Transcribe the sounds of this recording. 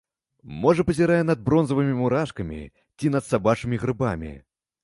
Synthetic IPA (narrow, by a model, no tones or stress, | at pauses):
mɔʐɐpɐzʲɪɾajɛnɐd̪̚bɾɔnzɐvɨmʲimuɾaʂkɐmʲḭ | t͡sʲinɐt̪sabat͡ʂɨmʲiɣɾɨba̰mʲḭ